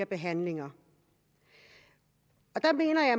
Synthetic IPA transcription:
ɐb̥e̝ɦænle̝ŋɐ | ɒ̽d̥ɑ̈me̝̰ːnɐjɑ̈ɪ

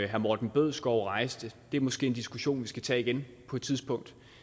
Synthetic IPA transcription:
ɦæɐmoːd̥n̩b̥øð̞̰ˠsɡ̥ɒʊ̰ʁɑ̈ɪsd̥əd̥e̝æɐmɒ̽sɡ̥e̝̰ːnd̥isɡ̥uɕo̝̰ːnʋisɡ̥æt͡sʰɛ̰ːiɡ̥enpʰɒ̽ed̥t͡sʰiðˠsb̥ɔ̽ŋ̰d̥

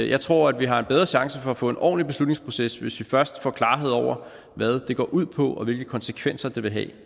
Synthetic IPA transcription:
jɑ̈ɪt͡sʰʁo̝ɐ̰æd̥ʋiɦɑ̈enb̥eð̞ˠʁɐɕɑ̈ŋsəfɒ̽æfɔ̰̽ːe̝nʔɒ̰ːnlib̥e̝slud̥ne̝ŋspʰʁo̝sesʋe̝sʋifɶɐsd̥fɒ̰ːkʰlɑ̈ːɦe̝ð̞̰ˠɒʊ̰ɐ | ʋæð̞ˠd̥e̝ɡ̥ɒ̰ːʔuð̞̰ˠpʰɒ̽ʔɒ̽ʋe̝lɡ̥əkʰɒ̽nsəkʰʋen̰sɐd̥e̝ʋe̝ɦɛ̰ː

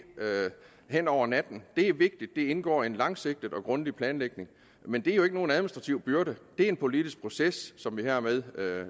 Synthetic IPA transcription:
hen̰ɒʊ̰ɐnæd̥n̩d̥e̝æɐʋe̝ɡ̥̚d̥id̥ːe̝e̝nɡ̥ɒ̰ːe̝nlɑ̈ŋse̝ɡ̥̚d̥əð̩ˠɒ̽ɡ̥ʁɔ̽nd̥ipʰlɛːnleɡ̥ne̝ŋ | mend̥eæɐjoe̝ɡ̥əno̝ːnæðˠminisd̥ʁɑ̈t͡sʰiʊb̥yɐɾ̥əd̥e̝æɐe̝npʰo̝lid̥ʰisɡ̥̚pʰʁo̝sesːɒ̽mʋihæɐmeð̞ˠ

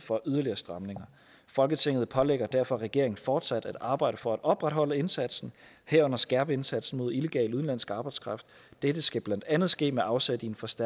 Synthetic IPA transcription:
fɒ̽ʔyðˠɐliɐːsd̥ʁɑ̈mne̝ŋɐ | fɒ̽lɡ̥ət͡sʰe̝ŋ̰ð̩ˠpʰɒ̽leɡ̥ɐd̥æɐ̰fɒ̽ʁɛɡ̥e̝ɐeŋn̩fɒːd̥sæd̥æd̥ɑ̈ːb̥ɑ̈ɪ̰ɾ̥əfɒ̽æd̥ɒ̽b̥ʁad̥hɒ̽l̰əe̝nsæd̥sn̩ | heɐ̰ɔ̽n̰ɐsɡ̥æɐb̥əe̝nsæd̥sn̩mo̝ð̞̰ˠile̝ɡ̥ɛ̰ːluðˠn̩læn̰sɡ̥ɑ̈ːb̥ɑ̈ɪdskʰʁɑ̈fd̥ | d̥ed̥əsɡ̥æb̥lænd̥ænðˠsɡ̥e̝̰ːmeʔɑ̈ʊsed̥ienfɒ̽sd̥æ

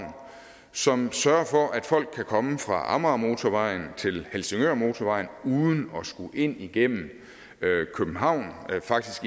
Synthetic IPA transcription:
n | sɒ̽msɶɐfɒ̽ʔæd̥fɒ̽l̰ɡ̥̚ʰækʰɒ̽məfʁɑ̈ʔɑ̰̈mʁɑmo̝ːt͡sʰɒʋɑ̈ɪ̰n̩t͡sʰe̝lhelse̝ŋøɐmo̝t͡sʰɒʋɑ̈ɪn̩uːðˠn̩ɒ̽sɡ̥uʔe̝n̰iɡ̥em̰m̩ | kʰøb̥n̩ɦɑ̈ʊ̰nfɑ̈ɡ̥̚d̥isɡ̥

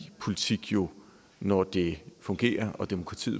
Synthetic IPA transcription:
pʰo̝lit͡sʰiɡ̥jo̝ | nɒd̥e̝fɔ̽ŋɡ̥e̝̰ːɐʔɒ̽d̥emo̝kʰʁɑ̈t͡sʰḭːð̩ˠ

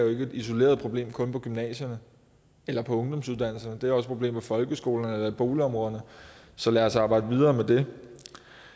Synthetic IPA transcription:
joe̝ɡ̥əe̝d̥iso̝le̝̰ːɐðˠpʰʁo̝b̥le̝̰ːmkʰɔ̽npʰɒ̽ɡ̥ymnɛ̰ːɕɐnə | elɐpʰɒ̽ɔ̽ŋd̥ɒ̽msuð̞ˠd̥æn̰l̩sɐnəd̥eæɐɒ̽səpʰʁo̝b̥le̝̰ːmʋefɒ̽lɡ̥əsɡ̥o̝̰ːlɐnəelɐib̥o̝ːliɒ̽mʁɔ̽ːð̞ˠɐnəsɒ̽læɐsɑ̈ːb̥ɑ̈ɪ̰d̥əʋið̞ˠɐːmed̥e̝

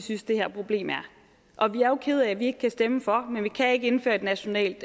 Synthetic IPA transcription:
synsd̥e̝hæɐ̰pʰʁo̝b̥le̝̰ːmæɐ | ʔɒ̽ʋiæɐjo̝kʰe̝ð̞̩ˠææʋie̝ɡ̥əkʰæsd̥eməfɒ̽menʋikʰæe̝ɡ̥əe̝nfø̰ːɐe̝d̥næɕo̝nɛ̰ːld̥

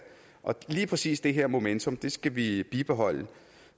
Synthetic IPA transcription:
ʔɒ̽liːpʰʁɛsḭːsd̥e̝ɦeɐ̰mo̝ment͡sʰo̽md̥e̝sɡ̥æʋib̥ib̥e̝ɦɒ̽l̰ə

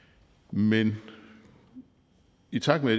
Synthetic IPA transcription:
men | it͡sʰɑ̈ɡ̥med

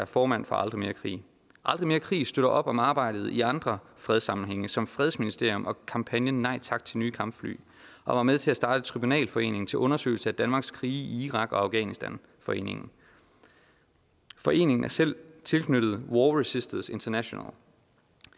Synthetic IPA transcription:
æɐfɒːmænfɒ̽ʔɑ̈ld̥ʁime̝ːɐkʰʁḭː | ʔɑ̈ld̥ʁime̝ːɐkʰʁḭːsd̥øɾ̥ɐʔɒ̽b̥ɒ̽mɑ̈ːb̥ɑ̈ɪ̰d̥ð̞̩ˠiɑ̈nd̥ʁɐfʁɛð̞ˠsɑ̈mn̩ɦeŋ̰əsɒ̽mfʁɛðˠsminisd̥e̝ɐ̰jɔ̽mʔɒ̽kʰɑ̈mpʰænjənɑ̈ɪt͡sʰɑ̈ɡ̥̚d̥t͡sʰe̝lnyːkʰɑ̈mb̥fly̰ː | ʔɒ̽ʋɑ̈meðˠt͡sʰe̝æsd̥ɑ̈ːd̥ət͡sʰʁibunɛ̰ːlfɒ̽e̝̰ːne̝ŋ̩t͡sʰe̝lʔɔ̽nɐsø̰ɪl̩səæd̥ænmɑ̈ːɡ̥skʰʁiːiiʁɑ̈ɡ̥ɒ̽ɑ̈ʊɡ̥ɛ̰ːnisd̥æn | fɒ̽e̝̰ːne̝ŋn̩ | fɒ̽ʔe̝̰ːne̝ŋn̩æɐsel̰t͡sʰe̝lkʰnøɾ̥ð̩ˠwɒːʁɛsisd̥əðse̝nt͡sʰɐnæɕo̝næ̰l

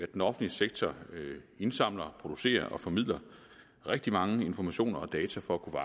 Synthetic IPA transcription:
æd̥enɒ̽fn̩liseɡ̥̚t͡sʰɒ | e̝nsɑ̈m̰lɐpʰʁo̝d̥use̝̰ːɐʔɒ̽fɒ̽mið̰ˠlɐ | ʁeɡ̥̚d̥imɑ̈ŋəe̝nfɒmæɕo̝̰ːnɐɒd̥ɛːt͡sʰæfɒ̽ækʰuʋɑ̈

